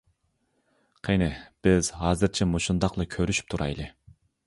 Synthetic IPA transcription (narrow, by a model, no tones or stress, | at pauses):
qʰenɪb̥ɪz̥ɦɑːzɨɾt͡ʃʰɛmoʃund̪ɑqlˠɨkʲʰøɾyʃy̥p̚t̪ʰuɾʔɑ̰jlˠɨ